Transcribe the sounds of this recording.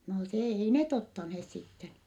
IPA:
no se ei net otːɑnheːs sitːen

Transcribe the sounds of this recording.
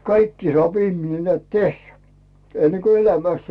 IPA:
kɑikːi sŏɑˑp ihmine neæˑt tehːæ enːe ko elæmæst

